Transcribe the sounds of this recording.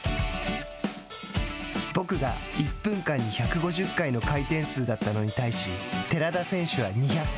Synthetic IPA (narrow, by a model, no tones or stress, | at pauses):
bo̞kɯ̟ɡa̰ipːɯ̟̃ŋkãɲ̟ːiçakɯ̟ɡo̞ʑɨkːaino̞kait̪ẽ̞ɰ̃sɨːd̪at̪ːano̞ɲ̟it̪aiɕit̪e̞ɾad̪asẽ̞ɰ̃ɕɨβaɲ̟içak